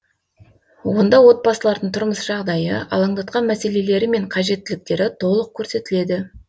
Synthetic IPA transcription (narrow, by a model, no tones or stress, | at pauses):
wo̞nd̪ɑwo̞t̪̚bɑsəlˠɑɾd̪əɴt̪ʰʊɾməsʒ̥ɑʁd̪ɑjə̰ɑ̰lˠɑɴd̪ɑt̪̚qɑnmæse̞le̞le̞ɾɪme̞ɴqʰɑʒe̞t̪ːɪlɪk̚t̪e̞ɾɪt̪ʰo̞lˠəq̚kʲʰɵɾse̞t̪ɪle̞d̪ɪ